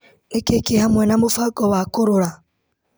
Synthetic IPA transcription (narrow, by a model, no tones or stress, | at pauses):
nekekehamwenamufaɡoβakuɾuɾa